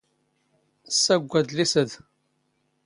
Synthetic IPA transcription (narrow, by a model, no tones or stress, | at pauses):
sːæɡʷːæd̪lisəð